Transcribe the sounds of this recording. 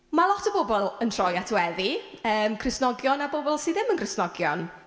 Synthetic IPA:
malˠɔtʰəbobɔlˠəntʰr̥ɔjatʰwɛðiəːmkʰrɪsnɔɡjɔnabobɔlˠsiːðɪmənkrɪsnɔɡjɔn

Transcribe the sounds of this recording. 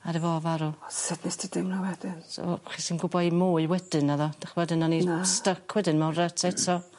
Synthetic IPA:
aɾəvɔvaɾusɛdnɪsd̥ɪdɪmnawɛdɪnsχisinɡʊbɔimoːɨwɛdɨnaðɔd̥aχwɛdɨnanistəkʰwɛdɨnmawratʰɛtʰɔ

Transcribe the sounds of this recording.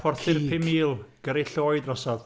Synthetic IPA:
fɔrθɪrpʰɪmiːlˠɡ̥əɾiɬoːɨdrɔsɔð

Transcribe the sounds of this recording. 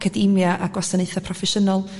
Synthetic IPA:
kʰədimjaʔaɡwɔsaneɨθapʰrɔfɛʃənɔlˠ

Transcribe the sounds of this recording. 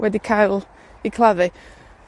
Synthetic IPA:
wɛdikʰajlˠ | ikʰlˠaðɨ

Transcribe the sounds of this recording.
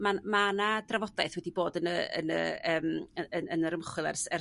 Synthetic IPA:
mamanadravɔdaɨθwɛdiboːdənəə̰nə̰əːməəənəɾəmχwɨlˠɛ̰rsɛr

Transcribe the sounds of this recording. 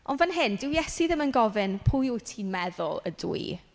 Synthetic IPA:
ɔnvənɦɪndɪwjɛsiðɪmənɡɔvɪnpʰʊjʊjtʰinmɛðʊlˠə̰dṵi

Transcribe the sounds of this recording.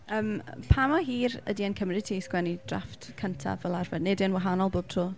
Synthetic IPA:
əːmpʰamɔɦiːrə̰diənkʰəmrɪtʰiːsɡ̥wɛnid̥ra̰ftkʰəntʰa̰vəlˠarvɛdnedɪənwaɦanɔlˠboːb̥̚tʰroː

